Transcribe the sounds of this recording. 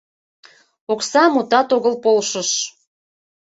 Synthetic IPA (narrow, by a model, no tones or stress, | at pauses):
oksɑmut̪ɑt̪oɣəlpolʃəʃ